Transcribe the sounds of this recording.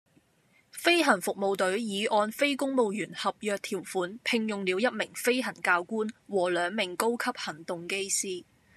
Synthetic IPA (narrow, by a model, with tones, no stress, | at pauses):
fe˥jɦɐ˨˩nfʊ˨k̚mo˨˧wt̪ɵ˨˥ɥjiː˨˧ʔɔː˧nfe˥jkʊ˥ŋmo˨˧wjyː˨˩nhɐ˨p̚jœː˧k̚t̪ʰiː˨˩wfuː˨˥npʰɪ˧ŋjʊ˨ŋliː˨˧wjɐ˥t̚mɪ˨˩ŋfe˥jɦɐ˨˩nkaː˧wkuː˥nwɔː˨˩lœː˨˧ŋmɪ˨˩ŋko˥wkʰɐ˥p̚hɐ˨˩ŋt̪ʊ˨ŋke˥jsiː˥